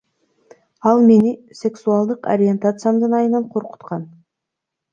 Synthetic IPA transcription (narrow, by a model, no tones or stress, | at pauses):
ɑlˠme̞nɪsʲe̞ksualˠd̪əqo̰ɾʲije̞nt̪at̪sɨjamd̪ənɑjənɑɴqʰo̞ɾqə̥t̪qɑn